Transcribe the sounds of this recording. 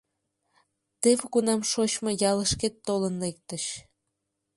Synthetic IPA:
t̪eβɣunɑmʃot͡ɕmojɑləʃket̪ːolənlek̚t̪ə̆ɕ

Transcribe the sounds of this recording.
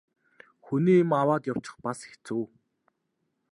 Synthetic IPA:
xuniːimawaːt̪jaw̥t͡ɕɪ̥̆χpase̥xt͡suː

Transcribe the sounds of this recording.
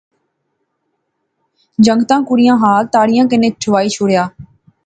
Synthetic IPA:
d͡ʒəŋɡt̪ãːkʊɾɪjãːɦaːlt̪aːɽɪjãːkɪnẽːt͡ʃʰʊʋaːiːt͡ʃʰʊːɽjaː

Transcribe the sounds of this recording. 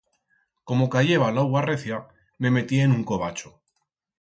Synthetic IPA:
ko̞mo̞kaʝe̞βalawɣareθja | me̞me̞t̪ieːnuŋko̞β̞at͡ʃo

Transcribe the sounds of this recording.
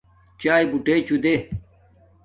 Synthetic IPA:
t͡ɕaːibuʈeːt͡ɕud̪e

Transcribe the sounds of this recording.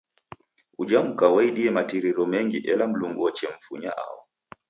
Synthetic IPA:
ud͡ʒam̩kawaiɗiɛmatiɾiɾɔmɛŋɡiʔɛlam̩luŋɡɔt͡ʃɛɱ̩fṵɲa̰ʔa̰ɔ

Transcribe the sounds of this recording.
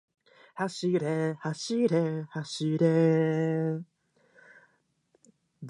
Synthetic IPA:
haɕiɾehaɕiɾehaɕiɾe | d̪

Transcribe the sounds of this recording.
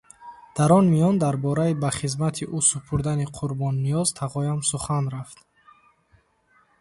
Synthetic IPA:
d̪̥aɾɔnmijɔnd̪aɾbɔɾaibaχizmat̪ʰiʔusupʰuɾd̪aniqʰuɾbɔnːijɔz̥t̪ʰaʁɔjamsuχanɾaft̪

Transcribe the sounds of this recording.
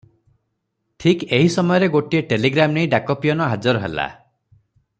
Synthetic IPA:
ʈʰikeɦisɔmɔjɔɾeɡoʈieʈeliɡɾamnejiɖakɔpijɔnɔɦad͡ʒɔɾɔɦḛla̰

